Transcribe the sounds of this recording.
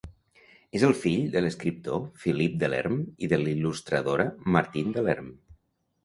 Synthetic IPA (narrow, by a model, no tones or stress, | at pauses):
ezəlˠfiʎd̪ələskɾip̚t̪ofilip̚d̪əlɛ̰ɾmiðəlilust̪ɾəðoɾəməɾt̪ind̪əlɛɾm